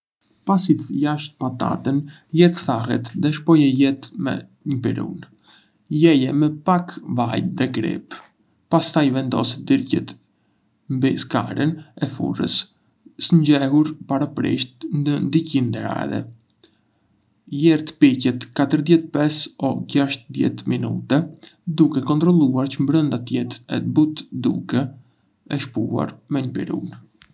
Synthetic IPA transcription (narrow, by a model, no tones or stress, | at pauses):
pasit̪jaʃt̪̚pat̪a̰t̪ən | jɛt̪θaɦɛt̪ðɛʃ̬pɔjɛjɛt̪mɛ̰ | ɲəpiɾṵn | jɛjɛmɛpakvajðɛkɾḭp | past̪ajvɛnd̪ɔ̰sɛd̪iɾcɛ̰t̪ | mbiska̰ɾənɛfṵrə̰s | səɲɟɛɦuɾpaɾapɾḭʃt̪̚nənd̪icind̪ɛɾa̰ðɛ̰ | jɛɾt̪picɛt̪kat̪əɾðjɛt̪pɛsɔɟaʃt̪əðjɛ̰t̪minṵt̪ɛd̪ukɛkɔnt̪ɾɔlˠuaɾt͡ʃəmbɾənd̪at̪jɛt̪ɛ̰but̪d̪ṵkɛ | ɛʃpua̰ɾmɛɲəpḭɾṵn